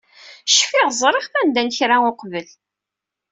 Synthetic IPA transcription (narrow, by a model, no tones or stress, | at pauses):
ʃfɪʁzˤɾˤɪχθænd̪ænçɾaʊqvəl